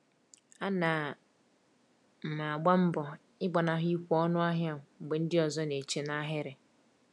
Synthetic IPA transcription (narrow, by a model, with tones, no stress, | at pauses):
a˦na˨ | m̩˨ma˨a˨ɡ͡ba˦m̩˦bɔ˨ | ɪ˦ɡ͡bɔ˨na˨ɦi˦i˦kʷɔ˦nʊ˦a˦ɦja˦ŋʊ˨ŋ͡m̩˨ɡ͡be˨n̩˦dɪ˦ɔ˨zɔ˦ne˨t͡ʃe˨na˦ɦɪ˦ɾɪ˨